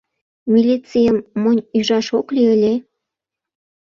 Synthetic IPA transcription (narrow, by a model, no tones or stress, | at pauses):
mʲilʲit͡sijəmːonʲyʒɑʃoklʲiəlʲe